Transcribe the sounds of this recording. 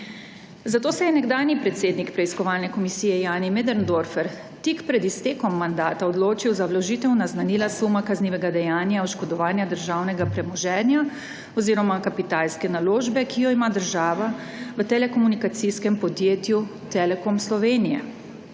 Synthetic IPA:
zat̪oːsɛjɛnɛɡd̪aːnipɾɛt̪seːd̪nikpɾɛiskɔʋaːlnɛkɔmisiːjɛjaːnimed̪ɛɾnd̪oɾfɛɾ | t̪ikpɾɛd̪ist̪eːkɔmːand̪aːt̪aɔd̪loːt͡ʃiwzawlɔʒit̪ɛwnaznanilasumakazniːʋɛɡad̪ɛjaːnjaɔʃkɔd̪ɔʋaːnjad̪əɾʒaːwnɛɡapɾɛmɔʒɛnja | ɔziːɾɔmakapit̪aːlskɛnaloːʒbɛkʰijɔimad̪əɾʒaːʋa | ʋət̪ɛlɛkɔmunikat̪siskɛmpɔd̪jeːt̪jut̪ɛlɛkomslɔʋeːnijɛ̰

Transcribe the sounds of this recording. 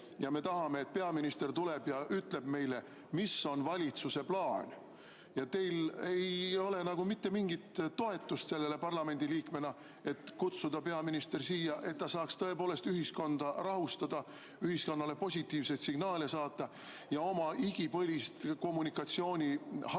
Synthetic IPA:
jɑme̞t̪ɑhɑme̞ːt̪̚pe̞ɑminist̪ert̪ule̞b̥jɑʔyt̪le̞b̥me̞jle̞ | miso̞nvɑlʲit̪suse̞plɑːnʲ | jɑt̪e̞jle̞jo̞le̞nɑɡ̥umit̪ːe̞miŋɡ̥it̪ːo̞e̞t̪ːˑust̪se̞lːe̞le̞pɑrlɑme̞nd̪̥iliːkme̞nɑ | e̞t̪kut̪sud̪̥ɑpe̞ɑminist̪e̞rsiːjɑʔe̞t̪t̪ːɑsɑːkst̪ɤ̞e̞poːle̞st̪yɦisko̞nd̪̥ɑrɑɦust̪ɑd̪̥ɑ | yɦhisko̞nːɑle̞po̞sʲit̪ːˑiːvse̞t̪siɡ̥nɑːlesɑːt̪ːˑɑ | jɑo̞mɑʔiɡ̥ipɤ̞lʲist̪ko̞mːunikˑɑt̪sio̞ːnʲihɑ

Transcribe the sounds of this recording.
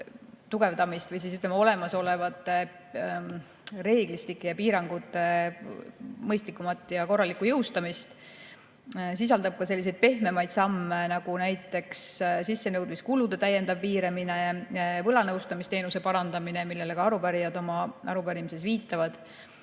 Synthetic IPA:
t̪uɡe̞vd̪ɑmist̪vɤjs̬isyt̪lemːɑo̞le̞mɑso̞le̞vɑt̪ːˑe | re̞ːɡ̥list̪ikːˑejɑpiːɾɑŋɡ̥ut̪ːˑe̞ | mɤjst̪likˑːumɑt̪ːˑjɑko̞rːɑlikˑujɤwst̪ɑmist̪ | s̬is̬ɑld̪̥ɑb̥̚kɑse̞lːised̪̚pe̞hme̞mɑjd̪̥sɑmːenɑɡ̥unæjt̪ːˑe̞kssisːe̞nɤwd̪miskulud̪̥e̞t̪æje̞nd̪ɑvːiːɾeminevɤlɑnɤwst̪ɑmist̪e̞ːnuse̞pɑɾɑnd̪ɑmine̞milːe̞lekɑɑɾupæɾijɑd̪o̞mɑʔɑɾupæɾimise̞sviːt̪ːˑɑvɑd̪̥

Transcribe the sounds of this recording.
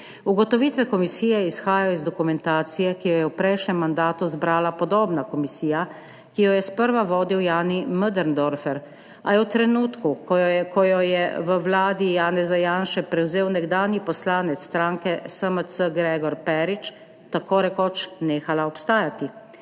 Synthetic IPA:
uɡɔt̪ɔʋit̪ʋɛkɔmisiːjɛisxaːjaɔizd̪ɔkumɛnt̪aːt̪sijɛkijɔjɛwpɾɛjʃnɛmːand̪aːt̪uzbɾaːlapɔd̪oːbnakɔmisiːja | kijɔjɛspəɾʋaʋɔːd̪iwjaːniməd̪əɾnd̪ɔɾfɛɾ | ajɛwt̪ɾɛnuːt̪kukɔjɔjɛʋəwlaːd̪ijaːnɛzajaːnʃɛpɾɛwzeːwnɛɡd̪aːnjipɔslaːnɛt̪st̪ɾaːŋkɛsəməsəɡɾɛːɡɔɾpɛɾit͡ʃ | t̪akoːɾɛkɔt͡ʃneːxalaɔpst̪aːjat̪i

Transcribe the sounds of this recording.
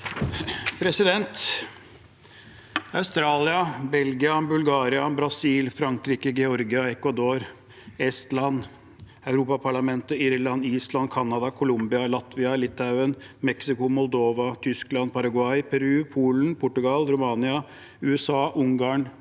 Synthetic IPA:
pʰɾɛsɪd̪ɛnt̪ | aʉst̪ɾɑːlɪɑbɛlɡɪɑbʉlɡɑːɾɪɑbɾɑsiːlfɾɑŋkɾiːkəɡɛɔɾɡɪɑɛkʋɑd̪oːɾ | ɛst̪lɑn | aʉɾuːpɑpʰɑɭɑmɛnt̪əiɾlɑniːslɑnkʰɑnːɑd̪ɑkʰʊlʊmbɪɑlɑt̪ʋɪɑlɪt̪ʰːaʉənmɛksɪkʊmɔld̪oːʋɑt̪ʰʏsklɑnpʰɑɾɑɡʊɑɪpʰɛɾʉːpʰuːln̩pʰʊʈːʉɡɑlɾʊmɑːnɪɑ | ʉːɛsɑːʔʊŋɡɑːɳ

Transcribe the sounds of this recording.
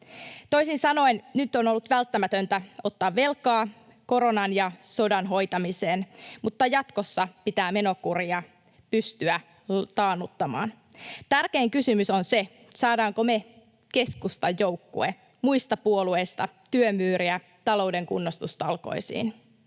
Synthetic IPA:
t̪o̞isinsɑno̞innyt̪ːonolːut̪ʋælt̪ːæmæt̪ønt̪æo̞t̪ːɑːʋːe̞lkɑː | ko̞ɾo̞nɑnjɑso̞dɑnɦo̞jt̪ɑmise̞ːnmut̪ːɑjɑt̪ko̞sːɑpit̪æːme̞no̞kuriɑ | pyst̪yæ | t̪ɑːnut̪ːɑmɑ̰ːn | t̪ærke̞ːŋkysymysonse̞ | sɑːdɑːŋkome̞ | ke̞skust̪ɑjːo̞wkːṵe | muist̪ɑpuolue̞jst̪ɑt̪yømyːɾiæ | t̪ɑlo̞uwde̞ŋkṵnːost̪ust̪ɑlko̰isḭːn

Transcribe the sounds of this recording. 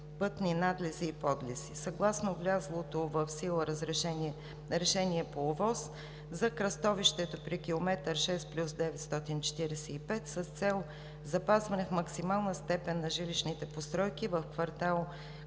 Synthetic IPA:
pɤt̪ninad̪lɛziːpɔd̪lisisɐɡlˠasnovlʲazlˠot̪ovəfsilˠəɾəzɾɛʃɛ | ɾɛʃɛniɛpoːvɔs | zɐkɾɐst̪ɔviʃt̪ɛt̪opɾikʲilˠomɛt̪əɾʃɛsplʲusd̪ɛvɛt̪st̪ɔt̪int͡ʃɛ̥t̪iɾɛsɛipɛt̪səst̪sɛlˠ | zɐpazvɐnɛfmɐksimalˠnəst̪ɛpɛnːɐʒiliʃnit̪ɛpost̪ɾɔjkivəfkvɐɾt̪alˠ

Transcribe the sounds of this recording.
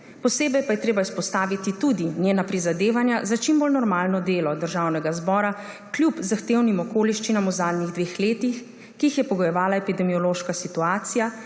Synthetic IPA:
pɔseːbɛjpajɛt̪ɾeːbaispɔst̪aːʋit̪it̪ud̪injeːnapɾizad̪eːʋanjazat͡ʃimbolnɔɾmaːlnɔd̪eːlɔd̪əɾʒawnɛɡazbɔːɾa | kljupzaxt̪eːwnimɔkoːliʃt͡ʃinamuzaːd̪niɣd̪ʋeːxleːt̪ix | kiixjɛpɔɡɔjɛʋaːlaɛpid̪ɛmiɔloːʃkasit̪uaːt̪sija

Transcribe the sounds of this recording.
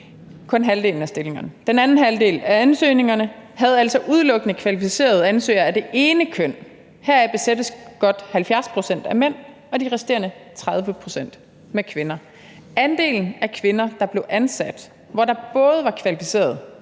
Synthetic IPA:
kʰɔ̽nɦæld̥e̝̰ːln̩æsd̥e̝le̝ŋɐnəd̥enænn̩ɦælde̝̰ːlæænsø̰ːne̝ŋɐnəɦæð̞̩ˠæl̰sɒ̽ʔuð̞ˠlɔ̽ɡ̥ənəkʰʋælifise̝̰ːɐð̞̩ˠænsø̰ːɐæd̥e̝ʔe̝ːnəkʰøn̰ | hæɐ̰æb̥e̝sed̥əsɡ̥ɒ̽d̥hælfjæɐspʰʁo̝sen̰d̥æmen̰ | ɒ̽d̥iʁɛsd̥e̝̰ːɐnət͡sʰʁɑ̈ðˠʋəpʰʁo̝sen̰d̥ | mekʰʋe̝nɐ | ænd̥e̝̰ːln̩ækʰʋe̝nɐd̥ɑ̈b̥le̝ʊʔænsæd̥ | ʋɒdɑ̈b̥ɔ̽ːð̞ˠʋɑ̈kʰʋælifi̥se̝̰ːɐð̞ˠ

